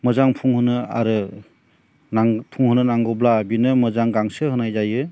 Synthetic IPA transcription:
mɯzaŋpʰuŋhɯnɯa̰ɾɯ | naŋpʰuŋɦɯnɯnaŋɡɔblabinɯmɯzaŋɡaŋsɯɦɯnajzajɯ

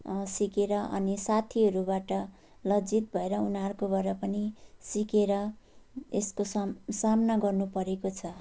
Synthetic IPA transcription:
sikeɾʌʔʌ̰nisat̪ʰiɦʌɾubaʈʌ | lʌd͡zit̪̚bʱʌeɾʌunarkobʌɾʌpʌnisikeɾʌ | eskossamnaɡʌrnupʌɾekot͡sʰʌ

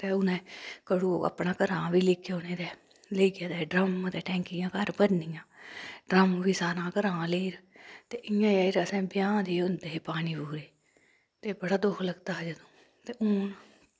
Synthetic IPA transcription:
t̪eːʊnẽːkəɽuːoːa̰pnãːkəɾãːʋiːlɪkʰːeoːnẽːd̪ɛː | leiɡaːd̪ɛːɖɾəmãːt̪eːʈɛ̃ːŋkɪjãːkəɾbəɾnɪjãːɖɾəmʋiːsaːɾãːkəɾãːleːiːɾt̪eːʔɪjãːjaːiːɾəsɛ̃ːbɪjãːd̪iːʊnd̪eːpaːniːbuːɾeː | t̪eːbəɽaːd̪ʊkʰləɡt̪aːɦd͡ʒəd̪õː | t̪eːʊːn

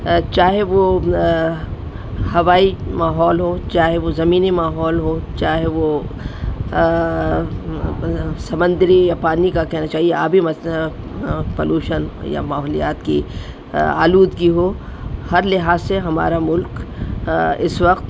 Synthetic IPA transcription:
t͡ʃaːɦeʋo | hɐʋaːimaːɦɔːlɦoːt͡ʃaːɦeʋozɐmiːnimaːɦɔːlɦoːt͡ʃaːɦeʋo | sɐmə̃nd̪ɾijapaːnikakɛɦnat͡ʃaːɦiea̰ːbʱimɐ | pɐ̰luːʃənja̰maːɦɔːlija̰ːt̪kḭ | a̰ːluːd̪kiɦoː | hɐɾlɪɦaːzseɦɐma̰ːɾamʊlk | ɪsʋɐqt̪

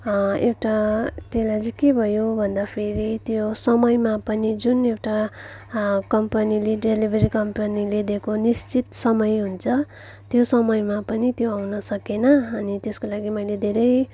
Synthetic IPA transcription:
ewʈat̪elad͡zʌkebʱʌjobʱʌnd̪apʰeɾit̪josʌmʌjmapʌnid͡zunewʈa | kʌmpʌnileɖelibʱʌɾikʌmpʌniled̪ekonist͡sit̪sʌmʌjɦunt͡sʰʌ | t̪josʌmʌjmapʌnit̪joawnʌsʌkenʌːnit̪eskolaɡimʌjled̪ʱeɾʌj

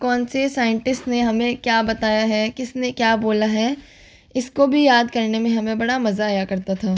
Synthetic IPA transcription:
kɔːnsesaːjɪ̃ɳʈɪsʈneɦɐmẽkjaːbɐt̪aːjaɦɛkɪsnekjaːboːlaɦɛ | ɪskobʱijaːd̪kɐɾnemẽɦɐmẽbɐɽamɐzaːjakɐɾt̪at̪ʰaː

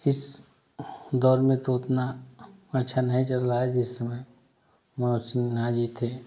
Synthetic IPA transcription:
ɪs | d̪ɔːɾmẽt̪oʊt̪naɐtːʃʰanɐɦĩt͡ʃɐlɾaɦaɦɛd͡ʒɪsːɐməj | məosɪnɡãd͡ʒiːt̪ʰeː

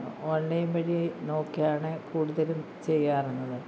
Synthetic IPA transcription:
onːɐjumʋɐɻino̞ːkːjaːɳɨkuːɽuðɐlum | t͡ɕe̞jːaːrenːɐðɨ

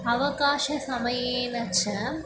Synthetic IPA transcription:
ɐʋɐkaːʃɐsɐmɐjeːnɐt͡ʃːɐ

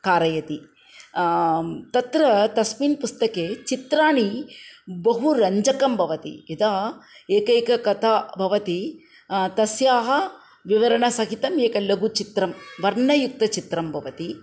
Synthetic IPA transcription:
kaːɾɐjɐt̪i | t̪ɐt̪ɾɐt̪ɐsminpust̪ɐkeːt͡ʃit̪ɾaːɳi | bɐɦuɾɐɲd͡ʒɐkɐmbʱɐʋɐt̪ḭid̪aːeːkɐjkɐkɐt̪ʰaːbʱɐʋɐt̪i | t̪ɐsjaːɦɐ | ʋiʋɐɾɐɳɐsɐɦit̪ɐmeːkɐlɐɡut͡ʃit̪ɾɐmʋɐɾɳɐjuk̚t̪ɐt͡ʃit̪ɾɐmbʱɐʋɐt̪i

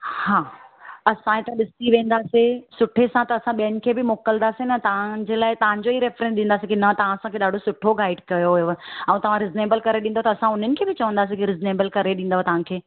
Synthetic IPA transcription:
haːɐsãet̪ɐ̃ɗɪsiʋẽːn̆d̪aːsisʊʈʰesãt̪ɐːsãɓijənɪ̆kʰeːbɪmoːkəld̪aːsinɐt̪ɐʋ̤ãd͡ʑeːlaːɪt̪ɐʋ̤ãɲd͡ʑoiɾeːfɾɛ̃nsɗĩːnd̪aːsikinɐt̪ɐʋ̤ãɐsãkʰeɗaːɖʱosʊʈʰoɡaːɪɖkɐjoɛ̃ũt̪ɐʋ̤ãɾɪzneːbəlkɐɾeɗĩːnd̪ot̪ɐːsãʊn̤ənɪ̆kʰeːbɪt͡ɕɐʋə̃nd̪aːs̬ikiɾɪzneːbəlkɐɾeɗĩːn̆d̪aːɦet̪ɐʋ̤ãkʰeː

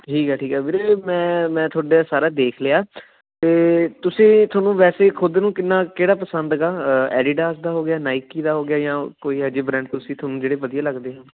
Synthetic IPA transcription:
ʈʰiːkɛːʈʰiːkɛːpʰɪɾemɛ̃ːmɛ̃ːt̪ʰoːɖaːsaːɾaːd̪eːkʰlɪaː | t̪eːt̪ʊsĩːt̪ʰoːnũːʋɛːseːkʰʊd̪nũːkɪnːaːkeːɽaːpəsənd̪ɡaːɛ̰ːɖiːɖaːsd̪aːɦoːɡɪjaːnaːɪkiːd̪aːɦoːɡɪjaːjãːkoːiːɦəd͡ʒeːbɾɛ̃ːɳɖ̚t̪ʊsĩːt̪ʰoːnũːd͡ʒeːɽeːpəd̪ijãːləɡd̪eːɦãː

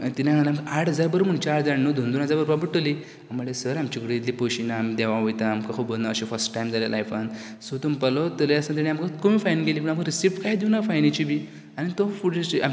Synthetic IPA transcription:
t̪inaɡãlaamkaʔaʈʰɦəd͡zaɾbəɾum̤uɳt͡ɕaʈd͡zaɽnod̪ʱund̪unɦəd͡zaɾbəɾʋabəɽʈoli | am̤əɭesəɾamt͡ɕikɽid̪it̪liːpoɕinaːmid̪eʋãʋojt̪aːmkakʰubolnaəɕefəɾsʈʈajmd͡zalja̰la̰jfan | sut̪umpəlɔt̪əɾəsnat̪̬aniamkəkomiːfajnɡeliːp̬əɳaməkɾisiʈkajd̪iwnafajnet͡ɕibʱi | añit̪ofuɽea

